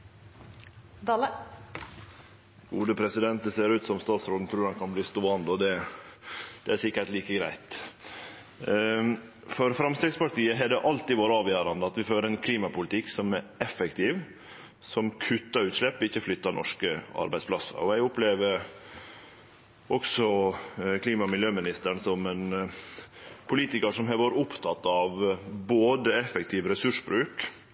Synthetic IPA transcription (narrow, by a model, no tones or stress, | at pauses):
d̪ɑːlə | ɡ̥uːd̪əpʰɾɛsɪd̪ɛnt̪̚d̪əseːɾʉːt̪sɔmst̪ɑːt̪sɾoːn̩t̪ʰɾʉːɾɑnkʰɑnbliːst̪oːɑnd̪əɔd̪ɛ | d̪̥ɛæsɪkːəʈliːkəɡɾæ̰ɪt̪ | fɔɾfɾɑmst̪ɛːɡspɑʈiːəɦɛɖɛʔɑlt̪ɪʋoːɾəɑːʋjøːɾɑnd̪əɑt̪ʋɪføːɾəɛnkʰliːmɑpʊlɪt̪ʰɪkːsɔmæɾʔɛfɛkt̪ʰɪːʋ | sɔmkʰʉt̪ːɑɾʉːt̪ʂlɛpːɔɪçːəflʏt̪ːɑnɔ̰ʂkəɑ̰ɾbæɪsplɑsə̰ɾɔæɪʊpleːʋəɾ | ʔɔksɔkʰliːmɑmɪljøːmɪnɪst̪əɳsɔmɛn | pʰʊliːt̪ɪkəʂɔmɦɛʋoːɾəʊpt̪ʰɑt̪ːɑʋboːd̪əɛfɛkt̪ʰɪːʋɾɛsʉʂbɾʉːk